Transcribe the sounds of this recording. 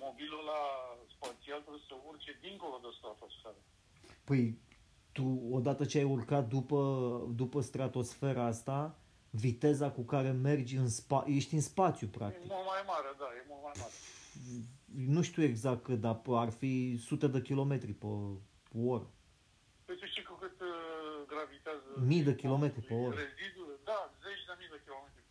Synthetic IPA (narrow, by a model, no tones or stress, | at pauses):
mobiləlaspat̪sialt̪ɾebjesəurt͡ʃed̪iŋko̞lod̪est̪ɾat̪osfeɾə | pəj | t̪uo̞d̪at̪ət͡ʃeajurkat̪̚d̪upəd̪upəst̪ɾat̪o̞sfe̞ɾaast̪a | vit̪e̞zakukaɾe̞me̞rd͡ʒʲɨnspaje̞ʃt̪ʲɨnspat̪sjupɾa̰kjeimult̪majmaɾed̪ajemult̪majaɾe | nuʃt̪ue̞ɡzak̚t̪̚kɨd̪aparfisut̪e̞d̪ekʲilo̞me̞t̪ɾipə | po̞ɾ | pest̪et͡ʃekukɨt̪ɡɾavit̪eazəmijd̪ekʲilo̞me̞t̪ɾipeoɾezid̪ud̪azet͡ʃʲd̪emijd̪ekʲilomet̪ɾʲi